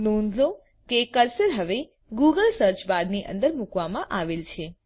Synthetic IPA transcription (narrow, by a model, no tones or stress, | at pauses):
nonzo | kekəɾsəɾɦəʋe | ɡuɡəlsəɾt͡ʃbaɾniʔə̰nd̪əɾmukʋamãʔaʋelt͡ʃʰe